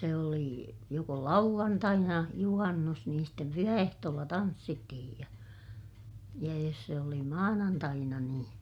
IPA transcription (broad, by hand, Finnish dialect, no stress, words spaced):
se oli joko lɑuʋ̆ɑntɑinɑ juhɑnːus niːn stem pyhæehtoːlːɑ tɑnsːitːihij jɑ jɑ jos se oli mɑːnɑntɑinɑ niːn